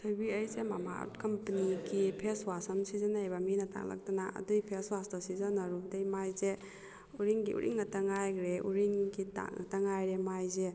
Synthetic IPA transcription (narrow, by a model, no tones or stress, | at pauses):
tʰojbiɐjzemamaṵt̚kɐmpɐniɡipʰeswasɐmsizanajbaminɐta̰ŋla̰k̚tanaʔɐ̰duipʰeswastasizanaɾudejmajze | uɾiŋɡḭʔṵɾʔḭŋːɐtaŋajɡɾeṵɾiŋɡita̰ŋ̰tɐŋajɾemajze